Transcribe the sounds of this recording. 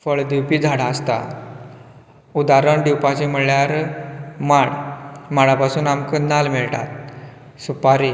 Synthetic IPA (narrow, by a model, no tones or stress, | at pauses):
fəɭd̪iwpiːd͡zʱaɽaəst̪a̰ | ud̪aɾəɳɖ̪iwpat͡ɕiməɭːjaɾ | maɳmaɽapasuːnamkənalmiɭʈa̰t̪̚supaɾi